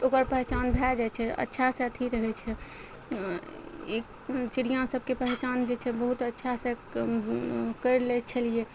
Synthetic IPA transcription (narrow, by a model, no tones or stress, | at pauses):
okəɾpəɦɛt͡ʃanbʱɛld͡ʒajt͡ʃʰɛə̰tːʃʰasẽət̪ʰiɾəɦɛt͡ʃʰɛ | ḛk | t͡ʃiɾijãsəb̚ʱkepəɦɛt͡ʃand͡ʒet͡ʃʰɛbəɦut̪ətːʃʰasẽ | kəjɾlɛt͡ʃʰəlije